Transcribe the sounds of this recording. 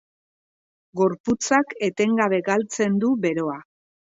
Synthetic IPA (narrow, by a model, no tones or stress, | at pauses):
ɡo̞ɾput͡sake̞t̪e̞ŋɡaβe̞ɡalt͡se̞nd̪uβe̞ɾo̞a